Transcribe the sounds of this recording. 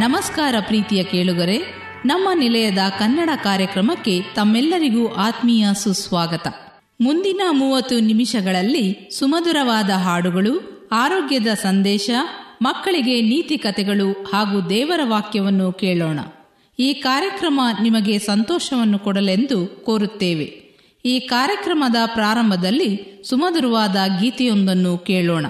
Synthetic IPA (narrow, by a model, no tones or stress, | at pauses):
nɐmɐskaːɾɐpɾiːt̪ijɐkeːɭud̪ɐɾe̞ | nɐmːɐnilɐjɐd̪ɐkɐnːɐɽɐkaːɾjɐkɾɐmɐkːe̞t̪ɐmːɛlːɐɾiɡuːʔaːt̪mijasusʋaːɡɐt̪ɐ̰ | mund̪inɐmuːʋɐt̪ːunimiʃɐɡɐɭɐlːisumɐd̪uɾɐʋaːd̪ɐɦaːɽuɡɐɭu | aːɾoːɡjɐd̪ɐsɐnd̪ɛːʃɐmɐkːɐɭiɡe̞niːt̪ikɐt̪ɛɡɐɭuhaːɡuːd̪ɛːʋɐɾɐʋaːkjɐʋɐnːukeːɭɔːɳɐ̰ | iːkaːɾjɐkɾɐmɐnimɐɡe̞sɐnt̪ɔːʃɐʋɐnːukɔɽɐle̞nd̪ukoːɾut̪ːeːʋe̞̰ | iːkaːɾjɐkɾɐmɐd̪ɐpɾaːɾɐmbʱɐd̪ɐlːisumɐd̪uɾɐʋaːd̪ɐɡiːt̪ɛjond̪ɐnːukeːɭɔːɳɐ̰